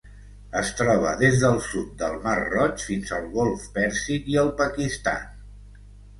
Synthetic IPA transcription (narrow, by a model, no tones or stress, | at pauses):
əst̪ɾɔβ̞ə̰ðezðəlˠsut̪̚d̪əlˠmarrɔt͡ʃfinzəlˠɣolˠfpɛɾsikiəlˠpəkist̪a̰